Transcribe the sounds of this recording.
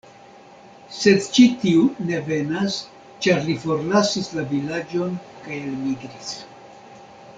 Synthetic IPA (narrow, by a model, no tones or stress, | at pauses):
se̞dt͡ʃitiune̞ve̞nas | t͡ʃaɾlifo̞ɾlasislavilad͡ʒo̞nkajelmiɡɾis